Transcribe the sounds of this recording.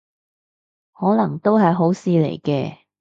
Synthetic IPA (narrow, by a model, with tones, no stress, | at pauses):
hɔː˨˥lɐ˨˩ŋt̪o˥wɦɐ˨jɦo˨˥wsiː˨˧lḛ˨˩jkɛː˧